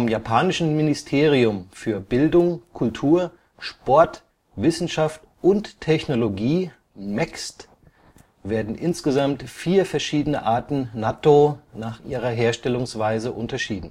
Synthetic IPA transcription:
fɔmjapʰaːnɪʃn̩mɪnɪstʰeːʁiʊmfyːɐbɪldʊŋkʰʊltʰuːɐ | ʃpɔɐt | v̥ɪsn̩ʃaft | ʔʊntʰːɛçnoloɡiː | mɛkst | veːɐdn̩ʔɪnsɡ̥əzamtfiːɐfɛɐʃiːdənəʔaːɐtn̩natonaːχʔiːʁ̞ɐɦeːɐʃtɛlʊŋsv̥aɪzəʔʊntɐʃiːdn̩

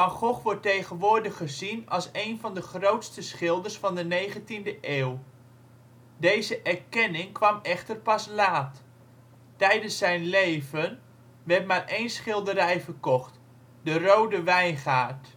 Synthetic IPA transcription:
ɑŋχɔχʋɔɹtejχənʋʊːɹdəχəzinɑlˠsejnvɑndəχrowtstəsχɪlˠdərsfɑndənejχəntindəʔeːw | dejzəʔɛɹkɛnɪŋkʋɑmɛχtərpɑslaːt | tɛjdənsːɛjnlejvən | ʋɛrtmaːrʔejnsχɪlˠdəɾɛjfərkɔχt | dərowdəʋɛjnχaːrt

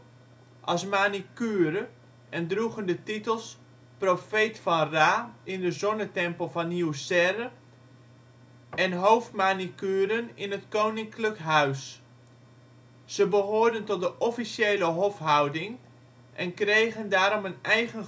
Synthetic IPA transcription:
ʔɑsmanikyːɾə | ʔɛndruɣəndətitəlˠs | profejtfɑnraːɪndəzɔnətɛmpəlˠvɑnːiwsɛrə | ɛnɦowftmaːnikyːɾənɪnətkownɪŋkləkɦœɥs | z̥əbəɦoːɹdəntɔt̚dəʔɔfisjejləɦɔfɦʌwdɪŋ | ʔɛnkrejɣəndaːɾɔmənɛjχən

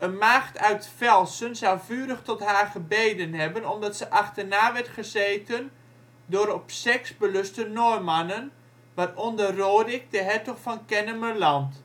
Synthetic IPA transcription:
ənmaːχtʰœɥtfɛlˠsənzawvyːɾəχtɔtɦaːrχəbejdənɦɛbənɔmdɑtsəʔaχtərnaːʋɛɹtχəzeːtən | doɾɔpsɛksbəlɵstənɔjmanən | ʋarɔndəroːdɪk̚dəɦɛɹtɔχfɑnkɛnəməlɑnt

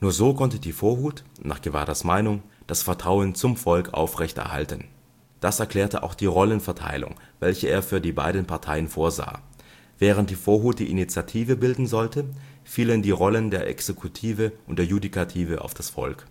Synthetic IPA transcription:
nuːɐzoːkʰɔntədiːfoːɐɦuːtna̰ːχɡ̥əva̰ːɐdasmaɪnʊŋd̥asfɛɐtʁ̥aʊənt͡sʊmfɔlkʔa̰ʊfʁɛçtɛ̰ɐha̰ltən | d̥asɛɐkl̥ɛːɐtəʔa̰ʊxd̥iːʁɔlənfɛɐtʰa̰ɪlʊ̰ŋvɛlçəʔeːɐfyːɐdiːba̰ɪdən̩pʰaɐtʰaɪənfoːɐza̰ː | vɛːʁ̞ənt̚d̥iːfoːɐɦuːt̚d̥ḭːʔinit͡sjatʰiːvəbɪldn̩zɔltəfiːləndiːʁɔləndeːɐʔɛ̰ksekʰutʰiːvəʔʊnt̚d̥eːɐjudikʰatʰiːvəʔa̰ʊfd̥asfɔ̰lk

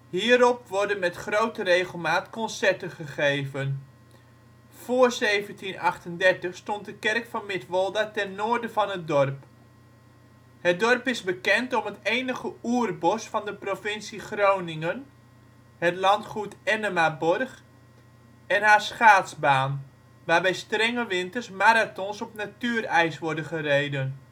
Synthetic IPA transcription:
hiːəɾɔpʋɔɹdənmɛtχrowtərejχəlˠmaːtkɔnsɛɹtəχəχejvən | v̥ʊːɹzejvəntinɑχtəndɛɹtəχstɔnt̚dəkɛrkfɑnmɪtʋɔlˠdatɛnːoːɹdəvɑnɦət̚dɔrp | hət̚dɔrpɪzbəkɛntɔmɦətejnəχəuːərbɔsfɑndəprofɪnsiχrownɪŋən | hətlɑntχutɛnəmabɔrχ | ɛnɦaːsχaːtsbaːn | ʋaːbɛjstrɛŋəʋɪntərsmaɾatɔnsɔpnatyərɛjsʋɔɹdənχərejdən

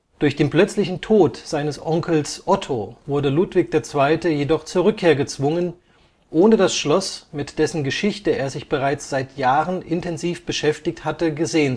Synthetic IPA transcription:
d̥ʊɐçd̥eːnpl̥œt͡slɪçn̩tʰoːtz̥aɪnəsʔɔŋkl̩sʔɔtʰovʊɐdəlutv̥ɪk̚d̥eːɐt͡sv̥aɪtəjedɔχt͡suːɐʁ̞ʏkʰːeːɐɡət͡sv̥ʊŋən | ʔoːnədasʃlɔsmɪtd̥ɛsn̩ɡəʃɪçtəḛːɐzɪçb̥əʁ̞aɪt͡sz̥aɪtʰjaːʁənʔɪntʰɛnziːfb̥əʃɛftɪçthatəɡəzeːən

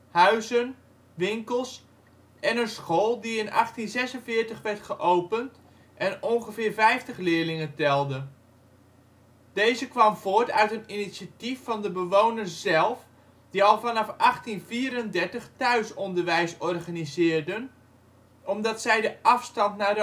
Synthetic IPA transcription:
hœɥzən | ʋɪŋkəlˠs | ɛnənsχolˠdiɪnʔɑ̰χtinzɛsənvɪːɹtəχʋɛɹtχəʔowpənt | ʔɛnɔnχəvɪːɹvɛjftəχlɪːɹlɪŋəntɛlˠdə | d̥ejzəkʋɑmv̥oːɹtœ̰ɥtəninisatifːɑndəbəʋownərzɛlˠf | d̥iɑlˠvɑnɑfʔɑχtinviːɾəndɛɹtəχtœɥsɔndəɹʋɛjsɔrχanizɪːɹdən | ɔmdɑtsɛjdəʔɑfstɑntnaːdə

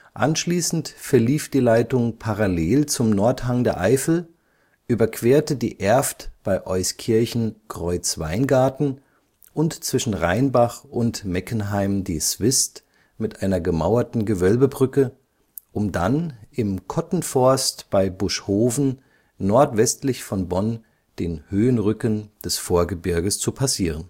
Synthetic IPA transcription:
ʔa̰nʃliːsn̩tfɛɐliːfd̥iːlaɪtʊŋpʰaʁaleːlt͡sʊmnɔɐthaŋdeːɐʔaɪfl̩ | ʔyːbɐkʰv̥eːɐtədḭːʔɛɐftb̥aɪʔɔʏskʰɪɐçn̩kʁ̥ɔʏt͡sv̥a̰ɪnɡaɐtn̩ | ʔʊntt͡sv̥ɪʃn̩ʁa̰ɪnbaχʔʊntmɛkən̩ɦaɪmdiːsv̥ɪst | mɪtʔaɪnɐɡəma̰ʊɐtn̩ɡəvœlbəbʁʏkə | ʔʊmdanʔɪmkʰɔtn̩fɔɐstb̥aɪbʊʃhoːvn̩ː | ɔɐtv̥ɛstlɪçfɔnbɔn | d̥eːnhøːənʁʏkənd̥ɛsfoːɐɡəbɪɐɡəst͡supʰasiːʁən

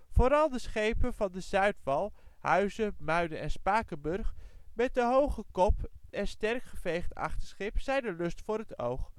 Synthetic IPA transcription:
fʊːɾɑlˠdəsχejpənvɑndəzœɥtfɑlˠhœɥzəmœɥdənɛnspaːkəbɵrχmɛt̚dəɦowχəkɔpɛnstɛrkχəvejχtɑ̰χtəsχɪpsɛjndəlɵstfʊːɾɦəto̰wχ

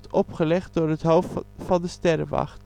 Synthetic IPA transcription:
tʰɔpχəlɛχt̪̚d̪oːɾət̪hoʊffɑnd̪əst̪ɛɾəʋɑ̰χt̪

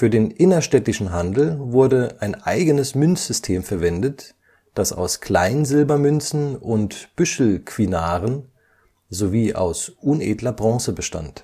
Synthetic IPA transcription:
fyːɐdeːnʔɪnɐʃtɛtɪʃn̩ɦandl̩vʊɐdəʔaɪnʔa̰ɪɡənəsmʏnt͡sz̥ʏstʰeːmfɛɐvɛndət | d̥asa̰ʊskʰl̥aɪnzɪlbɐmʏnt͡sn̩ʊntb̥ʏʃl̩kv̥inaːʁən | zoviːʔa̰ʊsʔuneːdlɐbʁɑ̃ːsəbəʃta̰nt

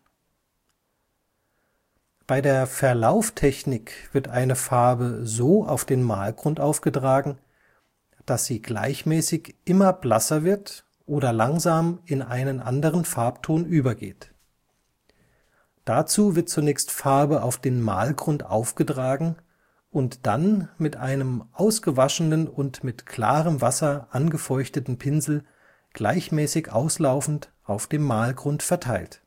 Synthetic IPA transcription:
b̥aɪdeːɐfɛɐlaʊftʰɛçnɪkv̥ɪɐtʔaɪnəfaɐbəzoːa̰ʊfd̥eːnma̰ːlɡʁʊntʔaʊfɡ̥ətʁ̥aːɡŋ̩ | d̥asz̥iːɡla̰ɪçmɛːsɪçʔɪmɐblasɐvɪɐt | ʔoːdɐlaŋzaːmɪnʔaɪnənʔa̰ndəʁ̞ənfaɐptʰoːnyːbɐɡḛːt | d̥at͡suːvɪɐt̚t͡sunɛːçstfaɐbəʔa̰ʊfd̥eːnma̰ːlɡʁʊntʔa̰ʊfɡ̥ətʁ̥aːɡŋ̩ | ʔʊntd̥anmɪtʔaɪnəmʔaʊsɡ̥əvaʃn̩ənʊntmɪtkʰl̥a̰ːʁəmvasɐʔanɡəfɔʏçtətn̩pʰɪnzl̩ | ɡ̥laɪçmɛːsɪçʔa̰ʊslaʊfn̩tʔaʊfd̥eːmːaːlɡʁʊntfɛɐtʰaɪlt

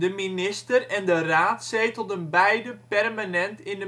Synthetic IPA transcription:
dəminɪstərɛndəraːtsɛjtɔtənbɛjdəpɛrmanɛntɪndə

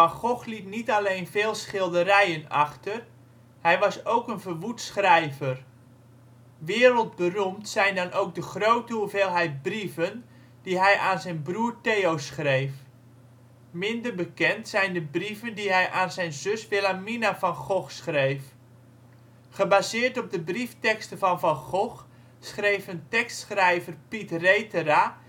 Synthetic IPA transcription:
fanxɔxlitnitaleːnfeːlˠsχɪlˠdəɾɛjənaxtər | hɛjʋɑsowkənvərʋutsxrɛjvər | ʋɪːɾəlˠt̚bərumtsɛjndɔnowk̚dəχroːtəuveːlˠɦɛjt̚brifən | d̥iɦɛjʔaːnzɛjnbruːrteːowsχrejf | mɪndərbəkɛntsɛjndəbrivəndiɦɛjʔaːnzɛjnzøsʋɪlaminafɑnχɔxsχrejf | χəbazɪːrtɔb̚dəbriftɛkstəvɑnfɑnχɔx | sχrejfəntɛkstsχrɛjvərpitrejtəra

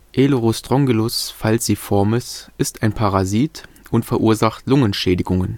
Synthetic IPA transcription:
ʔeloʁostʁ̥ɔŋɡəlʊsfalsd̥iːfɔɐməsʔɪstaɪnpʰaʁaziːt | ʊntfɛɐʔuːɐzaχtlʊŋənʃɛːdɪɡʊŋən

